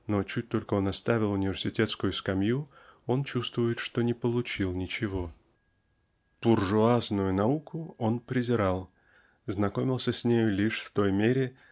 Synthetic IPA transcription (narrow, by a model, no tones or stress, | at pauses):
not͡ɕut̚ʲt̪o̞lʲkəonɐst̪avʲɪlˠʊnʲɪvʲɪrsʲɪtʲet̪skʊjʊskɐmjuo̞nt͡ɕust̪vʊjɪt̪ʂt̪o̞nʲɪpəlˠʊt͡ɕilˠnʲɪt͡ɕɪvo̞ | b̥ʊrʐʊaznʊjʊnɐukʰʊo̞npɾʲɪzʲɪɾalˠ | znɐko̞mʲɪlˠsʲəsʲnʲejʊlʲiʂft̪o̞jmʲeɾʲɪ